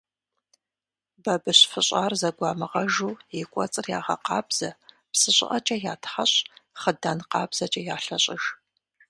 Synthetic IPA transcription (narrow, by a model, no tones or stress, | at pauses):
bɐbɨɕfɨɕʼaːrzɐɡʷɑːmɨʁɐʒuːjɪkʷʼɔ̰t͡sʼɨrjaːʁɐ̰qɑːbz̥ɐ | psɨɕʼɪ̰ʔɐt͡ʃʼɐjaːtʰχɐɕʼχədaːnqɑːbz̥ɐt͡ʃʼɐjaːɬɐɕʼɪʒ